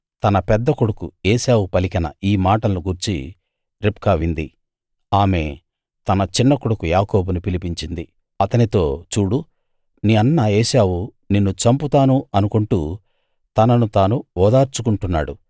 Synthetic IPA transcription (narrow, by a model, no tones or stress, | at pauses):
t̪ɐnɐpɛd̪ːɐkuɽukṵeːʃaːwupɐlikɐnɐ̰iːmaːʈɐnuɡuɾt͡ʃḭ | ɾipkaːʋind̪i | aːme̞̰ː | t̪ɐnɐt͡ʃinːɐkuɽukujaːkoːbunupilipiɲt͡ʃind̪i | ɐt̪ɐnit̪o̞ːt͡ʃuːɽu | niːɐnːaeːʃaːwu | ninːut͡ʃɐmput̪aːnuɐnukoɳʈuː | t̪ɐnɐnut̪aːnuɔːd̪aːɾt͡ʃukuɳʈunːa̰ːɽu